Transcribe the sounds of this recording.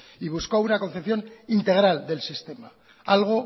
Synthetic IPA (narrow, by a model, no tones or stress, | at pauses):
iβ̞uskawunako̞nθepθjo̞nint̪e̞ɣ̞ɾald̪e̞lsist̪e̞ma | alɣ̞o̞